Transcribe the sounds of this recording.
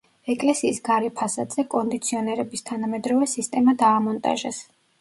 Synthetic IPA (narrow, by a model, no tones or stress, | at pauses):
ɛkʼlɛsiːsɡaɾɛpʰasad̪zɛkʼɔnd̪it̪sʰiɔnɛɾɛbist̪ʰanamɛd̪ɾɔvɛsist̪ʼɛmad̪aːmɔnt̪ʼa̰ʒɛs